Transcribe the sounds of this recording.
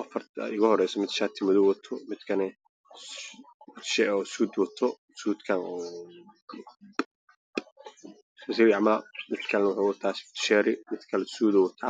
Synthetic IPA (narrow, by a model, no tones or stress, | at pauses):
ʔɐfɐrt̪ʰɪɣɐhɔɾɛjsɔmɪd̪ʃat̪ʰɪmʊðʊwɐt̪ʰɔmɪd̪kʰɐnɛ | mɪd̪ʃɛʔɔːsuːd̪wɔt̪ʰɔ | suːd̪kʰanɔː | sɐs̬iɾjaʕmɐlɐmɪd̪kʰɐlnɐwʊħawɔt̪ʰasɪ̥ft̪ʰʃɛɾɪmɪd̪kʰɐlɛsuːðɔwɐt̪ʰaː